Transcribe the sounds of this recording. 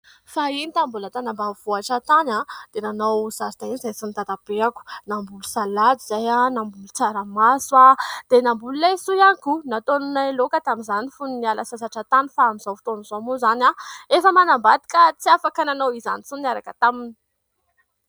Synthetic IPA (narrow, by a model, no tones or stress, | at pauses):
fainit̪ambulat̪anambav̥uaʈ͡ʂat̪anad̪̥enanawzaɾt̪ainizajsinit̪ad̪ab̥eaku̥nambulusalad̪izajanambulut͡saɾəmaswad̪̥enambululejsujakunat̪onunaelokət̪amizanifuninialasasaʈ͡ʂat̪anifaamiz̥awfu̥t̪onuzomuzanaefəmanambat̪i̥kət͡siafakananawiza̰nit͡suniaɾakət̪amini̥